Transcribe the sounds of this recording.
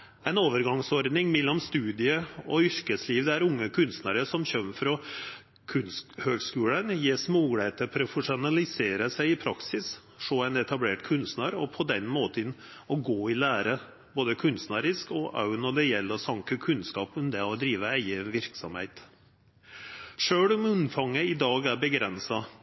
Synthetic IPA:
æɪnoːʋəɾɡɑŋsɔɾd̪nɪŋmɛlːɔmst̪ʉːd̪ɪəɔʏɾkəsliːʋd̪ɛæɾʊŋːəkʰʉnst̪næɾəsɔmɕœmfɾɔ | kʰʉnshøːɡskʉːlənjeːsmuɡɽeːt̪ʰəpʰɾɔfəʂʊnɑlɪseːɾəsæɪɪpʰɾɑksɪs | ʂoːæɪnɛt̪ɑbleːʈkʰʉnst̪næːɾɔpʰɔd̪ɛnmoːt̪ən | ɔɡoːɪlæːɾə | boːd̪əkʰʉnst̪næːɾɪskɔʔɑ̰ʉnɔd̪ɛjɛlːɔsɑŋkəkʰʉnskɑːpɔmd̪ɛɔd̪ɾiːʋəæɪəʋɪɾksɔ̰mhḛɪt̪ | ʂøːɽɔmʉnfɑŋːəɪd̪ɑːɡæɾbəɡɾɛnsɑ

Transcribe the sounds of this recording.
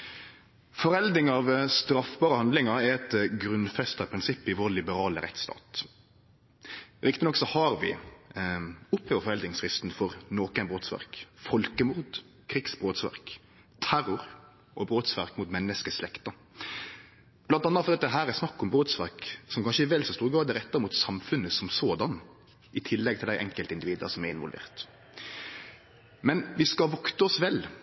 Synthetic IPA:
fɔɾɛld̪ɪŋɑʋst̪ɾɑfbɑːɾəhɑnd̪lɪŋɑɾɛɾɛt̪ɡɾʉnfɛst̪ɑpʰɾɪnsɪpːɪʋoːɾlɪbəɾɑːləɾɛ̰t̪st̪ɑ̰ːt̪ | ɾɪkt̪ɪnɔksɔhɑɾʋɪ̰ | ʊpːhøːʋəɾfɔɾɛld̪nɪŋsɾɪst̪n̩fɔʁnoːkənbʁoːt̪sʋæ̰ɾkfɔlkəmʊɾd̪ | kʰɾiksbʁoːt̪sʋæ̰ʁk | t̪ʰæɾʊɾ | ɔbɾoːt̪sʋæɾkmʊt̪mɛnːəskəslɛkt̪ə | b̥lɑnt̪ɑnːət̪fɔd̪ɛɑt̪ːd̪ɦæːɾæsnɑkːɔmbɾoːt̪sʋæɾksɔmkʰɑnʃəɛʋɛlsɔst̪uːɾɡɑːd̪əɾɛt̪ːəɾmuːt̪sɑmfʉnːəsɔmsoːd̪ɑn | ʔɪt̪ʰɪlːɛɡ̚t̪ʰɪlæɪʔɛŋkəlt̪əɪnd̪ɪʋiːd̪ə̰sɔmɛɪnʋɔlʋḛːʁt̪ | mɛnʋɪskɑʋɔkt̪əɔsʋɛl

